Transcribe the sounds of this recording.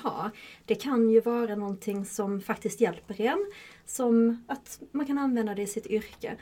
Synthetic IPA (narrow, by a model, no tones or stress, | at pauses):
hɑ̰ːɾd̪̥ɛkʰanjɵvɑːɾanɔnt̪ʰɪŋːsɔmfakt̪ɪskt̪jɛlpəɾɛn | sɔmat̪mankʰananvɛnd̪ad̪ɛɪsɪt̪ʏɾkə̰